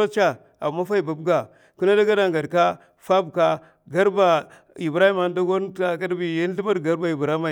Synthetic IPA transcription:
a˦t͡ʃa˦ | a̰˨mːa˦fa˦i˦˨ba˨bɡa˨ | ku˦na˦da˦ɡa˦da˦ŋɡa˨dka˦ | fa˦bka˦ | ɡa˦ɾba˨ | i˨bɾa˦hi˦ma˨n˦da˦ɡo˦n˦a˦˨ka˦dbi˨ja˦n˦ɬi˦ma˦ɾɡa˦ɾba˨i˨bɾa˦ma˨

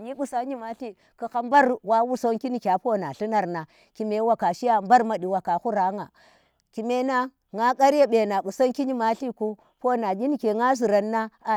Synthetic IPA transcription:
ɲi˦ɓu˦sa˦ɲi˦ma˦ɬi˦ | ku˨xa˦mba˦ɾwa˦wu˦so˦ŋki˦ni˨kʲa˨po˦na˨ɬi˦na˨ɾna˨ | ki˨me˨˦wa˨ka˨ʃi˦ja˦mba˦ɾma˨ɗi˨wa˨ka˨xu˦ɾa˨˦ŋa˨ | ki˨me˦na˦ | ŋa˦ka˦ɾja˦ɓe˨na˨ɓu˨so˦ŋki˦ɲi˦ma˦ɬi˦ku˦ | po˦na˨di˦ni˨ke˨ŋa˦zi˨ɾa˨nːa˦˨

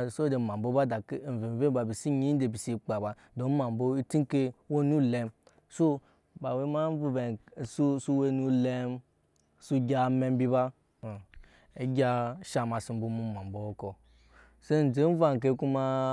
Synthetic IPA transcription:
so˦d͡ʒe˨ma˨bo˦ba˦da˨ke˦˨n̩˨ve˨n˨ve˦ba˨bi˨si˦ɲi˦n̩˦de˨bi˨si˧˦k͡pa˨ba˨ | do˨˦m̩˦ma˨m˨bo˧i˦ti˦ŋ˦ke˧wo˦nu˦le˧m | so˦ | ba˨we˧˦ma˦vu˧˦be˨su˦su˧we˧nu˧le˧m | su˧ɡʲa˧˨me˧m˦bi˧ba˦˨ | e˦ɡʲa˧ʃa˧ma˧si˧m̩˦bo˧mu˦˨ma˨m˨bo˨o˦kɔ˧ | se˦n̩˨d͡ʒe˨˦n˦va˦˧ŋ˨k̬e˧˦ku˦ma˧

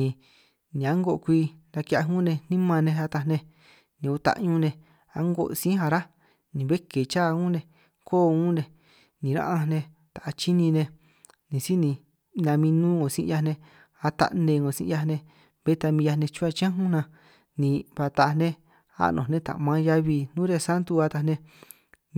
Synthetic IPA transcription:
ĩ˨˧ | nĩ˨a˦ŋɡo˧ʔkʷi˧ɾa˧ki˧˦a˧ɦũ˦nẽ˧n̥ĩ˦mã˧nẽ˧a˧t̪a˧nẽ˧ | nĩ˨u˧t̪a̰˧ʔɲũ˧nẽ˧ | a̰˦ŋɡo̰˧˨ʔsĩ˦ɦa˧ɾa˦ | nĩ˨βe˦ke˨t͡ʃaː˦˧ũ˦nẽ˧ | koː˦˨˧ũː˦nẽ˧ | nĩ˨ɾã̰˦ʔã˧nẽ˧ | t̪a˨ʔt͡ʃi˦nĩ˧nẽ˧ | nĩ˨si˦nĩ˧ | nã˧mĩ˧nũː˦ŋõ˨sḭ̃˧ja˧nẽ˧ | a˧t̪a̰˧ʔnẽ˧ŋõ˨sḭ̃˧ʔa˧nẽ˧ | be˦t̪a˧mĩ˧ja˧nẽ˧t͡ʃũ˦a˧t͡ʃã˦ɦũ˦nã˧ | nĩ˨˧βa˧t̪a˨˧nẽ˦ | a̰˦nʔõ̰˨nẽ˦t̪a̰˨mã˧˦ja˧βi˧nũː˦ɾe˧sa˦nt̪u˧a˧t̪a˧nẽ˧

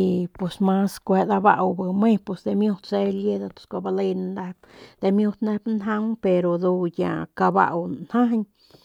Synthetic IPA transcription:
i˧pwe˧˨sma˦skʷe˧d̪a˧ba̰˧ʔwbɨ˧me˦pe˧˨sd̪e˧mjo˦˧t̪se˧˦lje˦d̪a˧t̪o̥˧˨skʷa˧ba˧le˦˧jna˧nd̪a˧pd̪̥e˧mjo˦t̪nd̪a˦pnɦa˦ŋpe˧ɾo˨d̪u˧ja̰˧˨ka˧ba̰˦˧ʔwnha˦ɲ

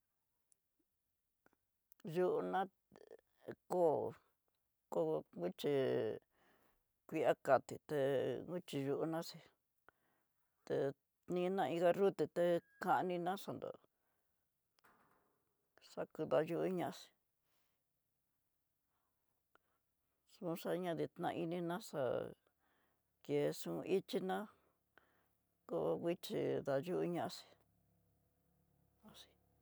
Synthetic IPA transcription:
ʒu˧ʔu˧nã˦ | ko˦˨ | ko˦˧ŋu˦t͡ʃi˧ | kʷi˧a˦ka˨t̪i˨t̪e˧ŋɡu˦t͡ʃi˧ʒu˧ʔu˧nã˦si˧ | t̪e˧ | nĩ˦˧˦nã˦˧ĩ˧ɣa˧ɾu˦t̪e˧t̪e˧kã˧ʔnĩ˧nã˦ʂa˧˨nd̪o̰˨ | ʂa˧ku˧ða˧ju˧ʔi˦ɲã˧ʔsi̥˧ | sũ˧˦ʂa˧ɲã˦ði˧t̪nã̰˧i˦nĩ˧nã˦ʂa̰˧ | ke˨˧ʂũ˧ʔi˦t͡ʃi˦nã˦ | ko˦˧wi˦t͡ʃi˧ða˧ju˦ʔu˦ɲã˦ʔa˧si̥˧ | a˧si̥˧

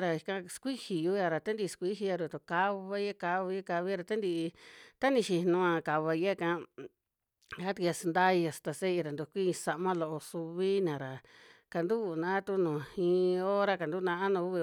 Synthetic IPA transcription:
ɾa˨i˧kã˧skʷi˦hi˨ju˦ja˧ɾa˨t̪a˦nd̪i˧skʷi˦ɦi˧ja˧ɾu˧˨t̪o˧˨ka˧βa˧˦e˦ka˧βi˧˦ka˧βi˦ɾa˧˨t̪a˦nd̪i˧t̪a˦nĩ˧ʃi˧nũ˧ã˧ka˨βa˧e˦˧kã˦ | a˦t̪i˧ka˧sa˧nd̪a˦i˧a˧˨st̪a˧se˦i˧ɾa˨nd̪u˧kʷi˦˧sa˧ʔmã˦lo˧ʔo˧su˧βi˦nã˨ɾa˨ka˧nd̪u˦˨nã˧˦t̪u˧nũ˨ĩ˧o˦ɾa˦ka˨nd̪u˦nã˧ʔa˦nũ˧u˦βi˧

